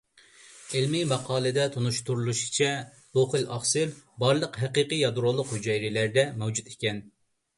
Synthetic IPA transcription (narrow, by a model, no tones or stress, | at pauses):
elmimɑqʰɑːlˠɨd̪ɛt̪ʰonuʃt̪uɾulˠuʃi̥t͡ʃʰɛ | d̪̥oχɨlɑχsɨɾbɑɾlˠəqɦɛqiqɨjɑd̪ɾolˠːʊqhyd͡ʒɑjɾɪlæɾd̪ɛmɛwd͡ʒut̪e̥kʲɛn